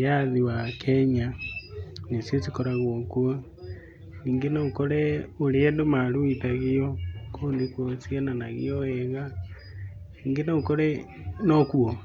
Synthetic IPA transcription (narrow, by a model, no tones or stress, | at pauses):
jaðiwakʰɛɲa | nesjet͡sikoɾaɣwokwa | niːŋɡenaukoɾɛoɾeɛndomaɾuitaɣiokʰondekwot͡siananaɣḭɔɛɣa | niːŋɡenaukoɾɛ | nokuo